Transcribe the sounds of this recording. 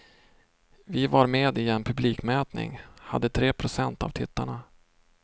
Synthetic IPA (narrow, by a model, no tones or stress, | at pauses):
vɪvaɾmeːd̪ɪɛnpʰɵbliːkmɛːt̪nɪ̰ŋha̰d̪ːət̪ʰɾeːpʰɾʊsɛnt̪a̰vt̪ʰɪt̪ːaɳa